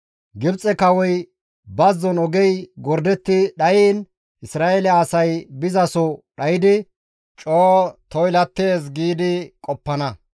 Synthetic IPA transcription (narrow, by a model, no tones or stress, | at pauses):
ɡɪbt͡sʼɛkɐwɔj | bɐzːɔnɔɡɛjɡɔɾd̪ɛt̪ːɪɗɐjiːn | ɪsɾaːelɛːsɐjbɪzɐsɔɗɐjɪd̪ɪ | t͡ʃʼoːt̪ɔjlɐt̪ːe̞ːs̬ɡiːd̪ɪkʼɔpːɐnɐ